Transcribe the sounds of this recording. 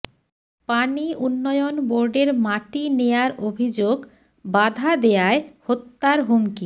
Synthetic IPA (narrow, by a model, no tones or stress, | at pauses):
paniʔunːɔjonboɾɖeɾmaʈinejaɾobʱid͡ʑoɡ | bad̪ʱad̪ejaehot̪ːaɾɦumki